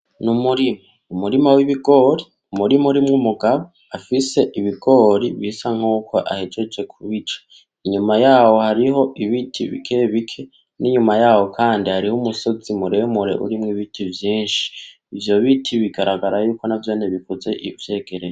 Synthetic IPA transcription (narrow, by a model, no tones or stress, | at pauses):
numuɾima | umuɾimawiβiɡo̞ɾi | umuɾimuɾimŋumuɡaβo | afise̞ʔiβiɡo̞ɾiβisaŋ̥huːkʰoʔa̰hed͡ʒed͡ʒe̞kʰuβit͡ʃḁ | iɲumajaːwo̞haɾiɦo̞ʔiβitʰiβḭkʰe̞βikʰe | niɲumajaːwo̞kʰaːndihaɾihumuso̞zimuɾe̞muɾe̞̰ʔṵɾimŋiβitʰivjiːnʃi̥ː | vjo̞βitʰiβiɡaɾaɡaɾajuːko̞navjo̞ːneβikoze̞ʔivje̞ːɡ̥e̞ɾej